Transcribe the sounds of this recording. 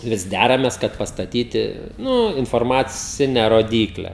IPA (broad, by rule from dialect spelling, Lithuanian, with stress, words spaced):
ˈʋʲɪs ˈdʲærɐmʲeːs kɐt pɐstɐˈtʲiːtʲɪ ˈnuː ɪnfoːrmɐˈt͡sʲɪnʲɛ roːˈdʲiːklʲɛ